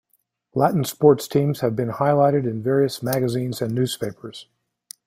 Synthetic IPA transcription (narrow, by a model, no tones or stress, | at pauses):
læʔn̩spɔɹtstʰĩmz̥ɨvbɨ̃nhaɪlaɪɾɨɾɨ̃nvɛɹiɨsmæɡɨzĩnzɨ̃nːʉz̥pʰeɪpə˞z̥